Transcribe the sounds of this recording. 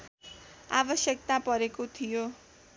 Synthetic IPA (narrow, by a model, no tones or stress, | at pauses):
abʌsjʌk̚t̪apʌɾekot̪ʰijo